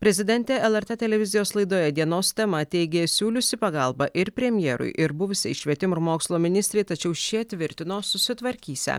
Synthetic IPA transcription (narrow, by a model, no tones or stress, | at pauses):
pʲɾʲɛzʲɪd̪ʲɛnʲt̪ʲɛɛlˠɛɾt̪ɛt̪ʲɛlʲɛʋʲɪzʲɪjoːslˠɐɪd̪oːjɛd̪ʲiɛnoːst̪ʲɛmɐt̪ʲɛɪɡʲeːsʲuːlʲʊsʲɪpɐɡɐlˠbɐʔɪɾpʲɾʲɛmʲjɛːɾʊ̰ɪʔɪɾbʊʋʊsʲɪʃʲʋʲiɛt̪ʲɪmʊɪɾmoːkslˠoːmʲɪnʲɪsʲt̪ʲɾʲeːt̪ɐt͡ʃʲɛʊʃʲiɛt̪ʲʋʲɪɾʲt̪ʲɪnoːsʊsʲɪt̪ʋɐɾʲkʲiːsʲɛ̰